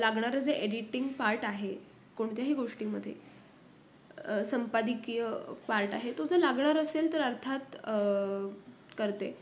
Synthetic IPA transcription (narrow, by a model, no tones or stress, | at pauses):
laɡɳaɾəd͡zeʔeɽiʈiŋɡpaɾʈaɦe | koɽt̪jaɦiːɡoʂʈiːməd̪ʱːjḛ | səmpad̪ikijəpaɾʈaɦet̪ud͡zəlaɡɳaɾəselt̪əɾəɾt̪ʰat̪ | kəɾt̪ḛ